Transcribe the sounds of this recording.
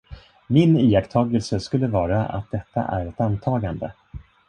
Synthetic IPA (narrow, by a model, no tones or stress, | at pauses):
mɪniːjakt̪ʰɑːɡəlsəskɵlːəvɑːɾaa̰t̪̚d̪ɛt̪ːa̰ʔæɾɛt̪ant̪ʰɑːɡand̪ə̰